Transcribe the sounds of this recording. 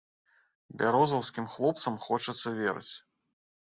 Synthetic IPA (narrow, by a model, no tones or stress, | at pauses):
bʲaɾɔzɐwskʲimxlˠɔp̚t̪sɐmxɔt͡ʂɐt̪sːɐvʲeɾɨ̰t͡sʲ